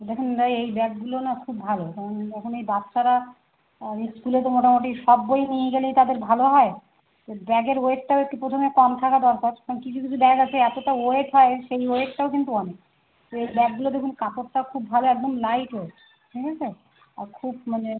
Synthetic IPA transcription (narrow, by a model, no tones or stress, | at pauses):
d̪ekʰunɾajejbɛk̚ɡulonakʰubːʱalokaɾond̪ekʰunejbatːʃaɾa | iskulet̪omoʈamoʈiʃɔbːojinijeɡelejt̪ad̪eɾbʱaloɦɔe | t̪obɛɡeɾoek̚ʈaoek̚ʈipɾot̪ʰomekɔmt̪ʰakad̪ɔɾkaɾaɾoŋkit͡ɕʰukit͡ɕʰubɛɡat͡ɕʰeɛt̪oʈaoeʈɦɔeʃejoek̚ʈaokint̪uɔne | t̪oejbɛɡ̚ɡulod̪ekʰunkapoʈʈakʰubbʱaloɛk̚d̪omlajʈɦo | ʈʰikʰat͡ɕʰe | a̰ɾkʰubmane